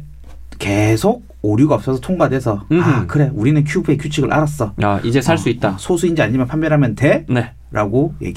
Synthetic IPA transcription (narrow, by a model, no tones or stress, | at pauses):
ke̞sʰoɡ̚oɾjuɡaʌp̚s͈ʌsʰʌtʰoŋɡadwe̞sʰʌakɯɾe̞uɾinɯnkʰjupʰekʰut͡ɕʰiɡɯɭʔa̰ɾas͈ʌaid͡ʑe̞sʰaɭs͈uit̚t͈asʰosʰuind͡ʑiaɲimjʌnpʰanmbjʌɾɦamjʌntene̞ | ɾʔaɡojḛɡi